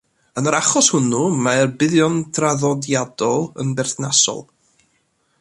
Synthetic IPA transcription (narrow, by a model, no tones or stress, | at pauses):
ənəɾaχɔshʊnumaɛrbɪðjɔndraðɔdjadɔlˠənbɛrθnasɔ̰lˠ